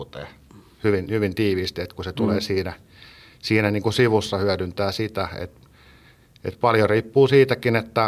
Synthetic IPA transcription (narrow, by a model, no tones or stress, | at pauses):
t̪ḛː | hyʋinhyʋint̪iːʋiːst̪iet̪kuset̪uleːsiːnæ | siːnæniːŋkusiʋusːɑhyædynt̪æːsit̪æḛt̪ | ḛt̪pɑljoriːpːuːsiːt̪ækinet̪ːæ